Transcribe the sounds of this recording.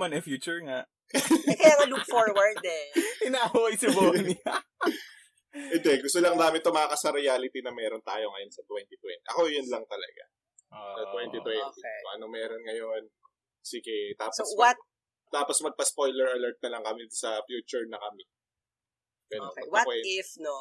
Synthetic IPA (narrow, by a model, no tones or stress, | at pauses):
mɐnɛfjuːt͡ʃʊɹŋaʔ | kɐjakɐlukfoɹwɐɹd̪ɛɪnaːhʊwɐjsɐbonɐ | ɛnd̪ɛɡʊst̪olɐŋd̪aːmɪt̪omɐakɐsɐɾɪjaːlɪt̪inɐmɛːɾont̪aːjoŋɐjonsɐt̪wɛnt̪it̪wɛ̰nt̪iʔɐ̰ko̞jʊnlɐŋt̪ɐlɐ̰ɡa̰ | sɐt̪wɛnt̪it̪wɛnt̪ikoʔɐnomɛɾonŋɐjon | siɡɛt̪aːposwɐt̪̚ | t̪aːposmɐɡ̚pɐspojlɛɹɐlɐɹt̪̚nɐlɐŋkɐmɛsɐfjuːt͡ʃʊɹnɐkɐmɛ | ɡɐnowɐwɛɪfno